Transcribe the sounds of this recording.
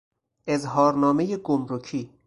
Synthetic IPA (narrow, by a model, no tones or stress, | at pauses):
ʔe̞zɦɒːɾnɒːme̞jeɡomɾocʰiː